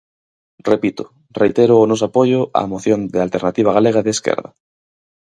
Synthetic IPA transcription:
repit̪o | rejt̪eɾoːnos̬apoʝoʔa̰moθjo̞nd̪ealt̪eɾnat̪iβ̞aɣ̞aleɣ̞aðeːskḛɾða̰

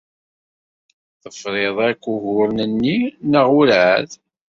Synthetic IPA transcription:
θəfɾeðˤækʷːʊɣʊɾnənːinəʁʊlʕəð

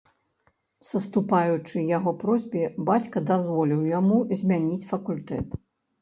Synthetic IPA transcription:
sɐst̪upajut͡ʂɨjaɣɔpɾɔzʲbʲibat͡sʲkɐd̪azvɔlʲiwjamuzʲmʲanʲit͡sʲfɐkulʲt̪ɛ̰t̪

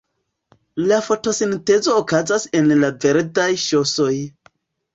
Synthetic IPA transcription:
lafo̞to̞sinte̞zo̞ːkazase̞nlave̞ɾdajʃo̞so̞j

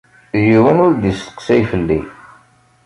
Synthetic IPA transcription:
juwənʊɾd̪ist̪ə̥qsæjfəlːḭ

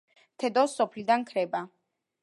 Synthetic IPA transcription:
t̪ʰɛd̪ɔsːɔpʰlid̪ankʰɾɛba

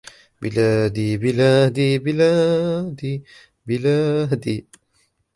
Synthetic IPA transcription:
bḭlad̪ibilad̪ibilad̪i | bilad̪i

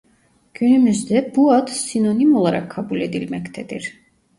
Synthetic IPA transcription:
ɡ̥ynymyzd̪ɛbuat̪sinɔnimɔlˠaɾa̰kʰabulɛd̪ilmɛkʰt̪ʰɛd̪ḭɾ

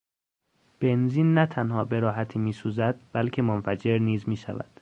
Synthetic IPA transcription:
b̥e̞nziːnːæt̪ʰænhɒːbe̞ɾɒːɦæt̪ʰiːmiːsuːzæd̪̥̚bælcʰe̞monfæd͡ʒe̞ɾniːzmiːʃæ̰væ̰d̪̥

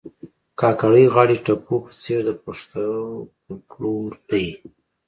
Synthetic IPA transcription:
kɑkaɽəjɣɑɽiʈapopə̥t͡seɾd̪əpəʂt̪a | kluəji

